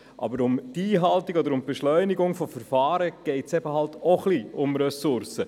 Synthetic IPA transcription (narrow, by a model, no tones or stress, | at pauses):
ʔɑ̰bəɾʊmdiːɦɑltiɡɔdəɾʊmb̥ɛʃlœʏniɡʊŋfɔfəɾfɑːɾəɡ̥ɛɪtsɛbəhɑltɔχliʊmɾɛsʊɾsə